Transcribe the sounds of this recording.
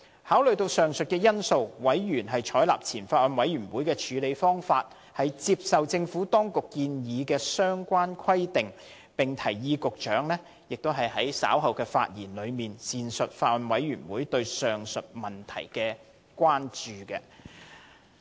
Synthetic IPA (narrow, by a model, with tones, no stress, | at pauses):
haː˨˥wlɵ˨ɥjt̪o˧wsœː˨ŋsɵ˨t̚kɛː˧jɐ˥nso˧wwɐ˨˥jɥyː˨˩nɦɐ˨jt͡ʃʰɔː˨˥jla̰ː˨p̚t͡sʰiː˨˩nfaː˧t̚wɐ˨˧nwɐ˨˥jɥyː˨˩nwuː˨˥jkɛː˧t͡ʃʰyː˨˧le˨˧jfɔː˥ŋfaː˧t̚ | hɐ˨jt͡siː˧p̚sɐ˨wt͡sɪ˧ŋfu˨˥t̪ɔː˥ŋkʊ˨kːiː˧njiː˨˧kɛː˧sœː˥ŋkʷaː˥nkʷʰɐ˥jt̪ɪ˨ŋ | pɪ˨˩ŋt̪ʰɐ˨˩jjiː˧kʊ˨k̚t͡ʃœː˨˥ŋlɛː˥ | jɪ˨k̚t̪o˥wɦɐ˨jhɐ˨˥jsa̰ː˨˥wɦɐ˨˩wkɛː˧fa̰ː˧t̚jḭː˨˩nlɵ˨˧miː˨˩nsiː˨nsɵ˨t̚faː˧t̚wɐ˨nwɐ˨˥jɥyː˨˩nwuː˨˥jt̪ɵ˧ɥsœː˨ŋsɵ˨t̚mɐ˨nt̪ʰɐ̰˨˩jkɛː˧ | kwaː˥nt͡ʃyː˨kɛ̰˧